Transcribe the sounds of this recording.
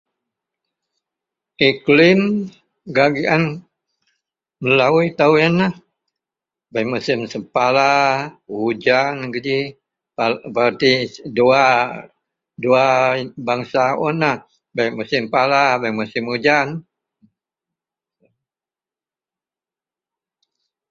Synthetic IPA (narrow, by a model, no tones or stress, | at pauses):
iklɪm | ɡaɡian | məlauit̪awanah | baimusɪmsəpala | ud͡ʒanɡəd͡ʒi | papat̪idua | duabaŋsaonah | baimusɪmpalabaimusɪmud͡ʒan